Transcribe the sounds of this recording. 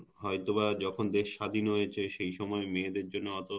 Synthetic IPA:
ɦɔjt̪oβad͡ʑɔkʰond̪eʃːad̪ʱinɦojet͡ɕʰeʃejʃɔmɔemeːd̪eɾd͡ʑonːoɔt̪o

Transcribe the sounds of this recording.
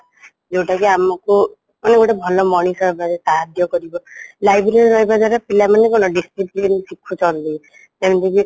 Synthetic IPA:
d͡ʒewʈakiamɔku | maneɡoʈabʱɔlɔmɔɽ̃isɔɦbaɾesaɦad̪jɔkɔɾibɔlajbɾeɾiɾɔɦjbad͡ʒaɾapilamanekɔñɔɖisʈɾiplinsikʰut͡ʃɔnt̪i | t̪emnt̪ʰiki

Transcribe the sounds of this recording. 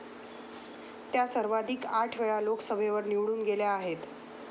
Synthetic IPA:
t̪jasəɾʋad̪ʱiːkaʈʰʋeɭaloksəʋʱeʋəɾniʋɽuːnɡeljaːɦet̪

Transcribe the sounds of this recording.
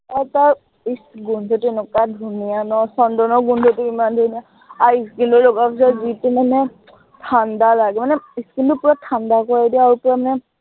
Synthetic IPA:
aɹtaɹ | isɡunzɔtuenukadʱunijanɔsɔndɔnɔɡunzɔtuimandʱunija | aɹiskindɔlɔɡɔpʰisazitimanɛ | tʰandalaɡɛmanɛiskindɔpuɹatʰandakɔɹajdiɛaɹupɔɹamanɛ

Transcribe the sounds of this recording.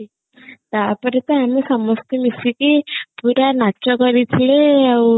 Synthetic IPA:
t̪apəɾet̪əamisɔmɔst̪emisikipuɾanat͡ʃɔkəɾit̪ʰleaw

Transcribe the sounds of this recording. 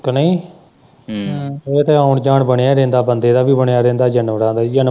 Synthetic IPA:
kənəĩː | et̪eːaːʊɳd͡ʒaːɳbəɳejaːɾɛ̃ːnd̪aːbənd̪eːd̪aːbiːbəɳejaːɾɛ̃ːnd̪aːd͡ʒənʋɾãːd̪aːd͡ʒən

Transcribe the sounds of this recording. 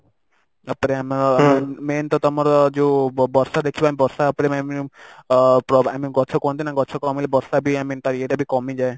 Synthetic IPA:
apɔɾeamaɾmment̪ɔt̪ɔmɔɾd͡ʒebɔɾsad̪ekʰibɔamibɔɾsaapɔɾeami | pɾɔamiɡɔt͡ʃʰɔkɔnt̪ʰinaɡɔt͡ʃʰokɔmilebɔɾsabʱiamit̪aɾeʈabʱikɔmid͡ʒae

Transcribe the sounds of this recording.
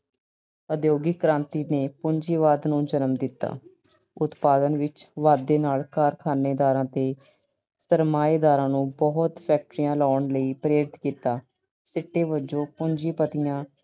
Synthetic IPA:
əd̪joːɡɪkkːɾãːnt̪iːneːpʊɲd͡ʒiːʋaːd̪nũːd͡ʒənmd̪ɪt̪ːa̰ː | ʊt̪paːd̪ənʋɪt͡ʃʋaːd̪ːeːnaːlkaːɾkʰaːneːd̪aːɾãːt̪eː | səɾmaːeːd̪aːɾãːnũːbɔɦt̪pʰɛːk̚ʈɾɪjãːlaːɳləiːpɾeːɾɪt̪kiːt̪aː | sɪʈːeːʋəd͡ʒõːpʊɲd͡ʒiːpət̪ɪjãː

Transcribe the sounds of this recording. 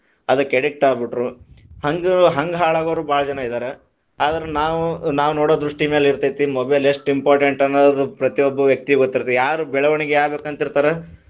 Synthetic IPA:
ɐd̪ɐkːɛɽik̚ʈaːɡbiʈɾuhɐŋɡɦɐŋɡɦaːɭaːɡoʋɾubaːɭɐd͡ʒɐnːaid̪aːɾe | aːd̪ɐɾenaːʋunaːʋunoːɽoːd̪ɾuʂʈimeːliɾt̪ajt̪imɐbeleʂʈimpaːɾʈeɳʈɐnːoːd̪upɾɐt̪iobːɐʋjɐk̚t̪ieɡot̪ːiɾt̪ijaːɾubɛɭɐʋɐɳiɡeaːbeːkɐnt̪ɐiɾt̪aːɾe

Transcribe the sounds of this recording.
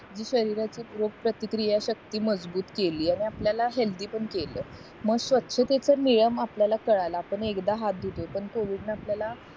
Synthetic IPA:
d͡ʑiːɕəɾiɾat͡ɕiːpuɾoɡ̚pɾət̪ikɾijaɕək̚t̪iːməd͡zbuːt̪keliːaɽ̃iapljalaɦeld̪iːpəɳkeləː | məɡɕʋət̪ːɕʰət̪et͡səmiɭəmapljalakəɭalaːpəɳekd̪aɦat̪̚d̪ʱut̪opəɳkoʋiɖnapljala

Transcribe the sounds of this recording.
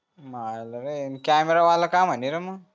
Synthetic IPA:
maləɾenkameɾaʋaləkam̤əniɾəmə

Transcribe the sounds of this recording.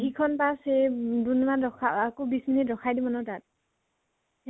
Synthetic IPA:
ɦikʰɔnpasedunmanɹɔkʰaakobisminitɹɔkʰajdibɔnɔtat̚

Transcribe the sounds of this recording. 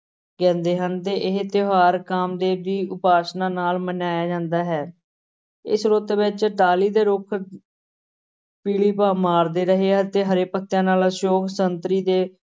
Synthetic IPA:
kɛ̃ːnd̪eːɦənt̪eːʔɪɦt̪ɪɦaːɾkaːmd̪eːd̪iːʊpaːsnãːnaːlmənaːjaːd͡ʒãːnd̪aːɦɛː | ɪ̰sɾoːt̪eʋɪt͡ʃʈaːliːd̪eːɾʊkʰ | piːɭiːpaːmaːɾd̪eːɾəɦeːɛt̪eːɦəɾeːpət̪ːjãːnaːlaʃoːkʰsənt̪ɾiːd̪eː

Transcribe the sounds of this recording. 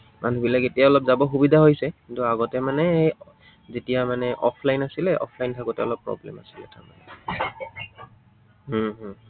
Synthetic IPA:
mʔanubilaketijaɔlɔpzabɔxubidʱaɦojsɛkintuaɡɔtɛmanɛj | zetijamanɛʔɔpʰlajnasilɛʔɔ̰pʰlajntʰaɡɔtɛɔlɔpːɹɔ̰blɛ̰masi̥lɛtaɹma̰nɛ | ɦɦ

